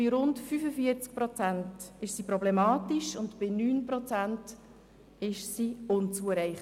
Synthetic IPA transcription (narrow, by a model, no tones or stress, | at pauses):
ɪɾʊntfyfəfiəɾt͡sk̚pɾɔt͡sæntɪʃsipɾɔblɛmɑːtiʃʊndpɪnyːnpɾɔt͡sænt | ɪʃsiʊnt͡suəɾɛɪχ